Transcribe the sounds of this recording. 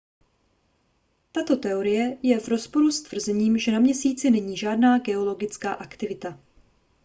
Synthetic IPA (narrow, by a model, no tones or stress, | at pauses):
t̪at̪o̞t̪ɛo̞ɾɪjɛjɛvɾo̞spo̞ɾust̪v̥r̩zɛɲiːmʒɛnamɲɛsiːt͡sɪnɛɲiːʒaːdnaːɡɛo̞lo̞ɡɪt͡skaːʔakt̪ɪvɪt̪a